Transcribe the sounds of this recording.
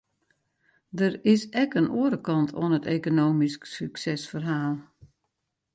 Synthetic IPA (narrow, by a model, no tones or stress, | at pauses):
dərɪsɛkənʔuəɾəkɑntʰo̰ənəteːkonoːmisksyksɛsfərɦaːlˠ